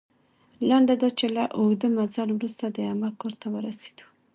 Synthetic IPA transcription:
laɳɖad̪ɑt͡ʃelaʔod̪əmazalwɾust̪ad̪əamakoɾt̪awəɾase̥d̪̥u̥

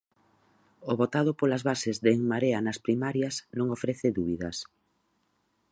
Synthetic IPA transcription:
oβot̪aðʊpolazβasɪzðeŋmaɾeanaspɾimaɾjasnõŋofɾeθɪðuβiðɐs

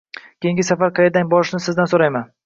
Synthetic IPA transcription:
kʲejĩŋɡʲɪsafaɾqʰɑjed̪aŋʲbɒɾɪʃnɪsɪzd̪ansoɾajman

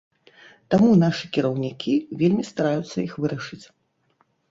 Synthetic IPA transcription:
t̪amunaʂɨkʲiɾɐwnʲikʲʰivʲelʲmʲist̪aɾajut̪sːɐ̰ixvɨɾɐʂɨt͡sʲ

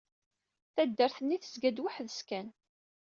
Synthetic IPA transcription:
θæd̪ːəɾθənːiθə̥zɡæd̪waħðəskæn

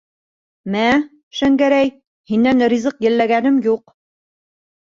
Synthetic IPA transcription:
mæ | ʃæŋɡæɾæj | hinːænɾʲizɤqjɘ̆lːæɡænɘmjuq

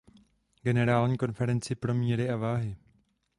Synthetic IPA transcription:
ɡɛnɛɾaːlɲiːko̞nfɛɾɛnt͡sɪpɾo̞mɲiɾɪʔavaːɦɪ

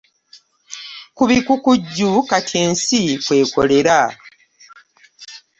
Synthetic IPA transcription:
kuβikukuɟːukatʰieːnsikwe̞ːko̞̰le̞ɾa

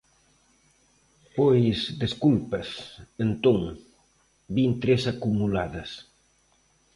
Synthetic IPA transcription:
pojsd̪eskulpɐsent̪oŋ | bint̪ɾesakumulaðɐs

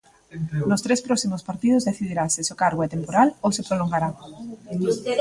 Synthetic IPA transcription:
nʊst̪ɾespɾɔksimʊspaɾt̪iðʊzðeθiðiɾaseseokaɾɣoɛt̪empoɾalowsepɾoloŋɡaɾa

